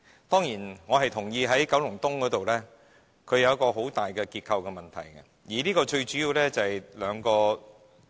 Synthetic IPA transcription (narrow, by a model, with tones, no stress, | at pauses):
t̪ɔː˥ŋjiː˨˩nŋɔː˨˧hɐ˨jt̪ʰʊ˨˩ŋjiː˧ɦɐ˨˥jkɐ˨˥wlʊ˨˩ŋt̪ʊ˥ŋkɔː˨˥t̪o˨wlɛː˥ | kʰɵ˨˧ɥjɐ˧wjkɔː˧ɦo˨˥wt̪aː˨jkɛː˧kiː˧t̚kʰɐ˧wkɛ˧mɐ˨nt̪ʰɐ̰˨˩jkɛ˧ | jiː˨˩liː˥kɔː˧t͡ʃɵ˧ɥt͡ʃyː˨˥jiː˨˧wlɛː˥t͡sɐ˨hɛ˨˩jlœː˨˧ŋkɔː˧